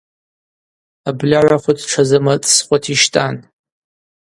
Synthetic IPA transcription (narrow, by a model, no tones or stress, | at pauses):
ablʲaʕʷaχʷʊdʰʈ͡ʂʰazɨmat͡sʼsχʷatʰiʃtʼan